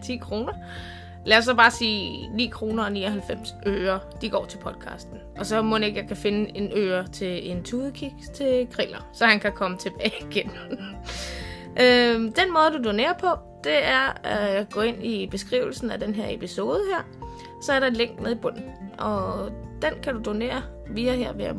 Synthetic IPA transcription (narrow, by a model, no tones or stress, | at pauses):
t͡sʰḭːkʰʁo̝ːnɐ | læɐsɒb̥ɑ̈ːsḭːnḭːkʰʁo̝ːnɐɒ̽nḭːɒ̽ɦælfem̰sʔøːɐd̥iɡ̥ɒ̰ːt͡sʰe̝pʰɒ̽d̥kʰɑ̰̈ːsd̥n̩ʔɒ̽sɒ̽mɔne̝ɡ̥jɑ̈kʰæfe̝nəe̝nøːɐt͡sʰe̝e̝nt͡sʰuːðˠəkʰiɡ̥t͡sʰe̝ɡ̥ʁilɐsɒ̽hænkʰækʰɒ̽mət͡sʰe̝b̥ɛːɡ̥en | ʔød̥enmɔ̽ːð̞̩ˠd̥ud̥one̝̰ːɐpʰɒ̽ | d̥e̝æɐɡ̥ɔ̰̽ːe̝n̰ib̥e̝sɡ̥ʁḭʊl̩sn̩æd̥enɦæɐe̝pʰiso̝ːð̞ˠəhæɐ̰ | sɒ̽æɐɾɑ̈e̝nleŋ̰ɡ̥meðˠib̥ɔ̽n̰n̩ʔɒ̽d̥enkʰædud̥o̝ne̝̰ːɐ | ʋiːɐɦeɐ̰ʋeæɐ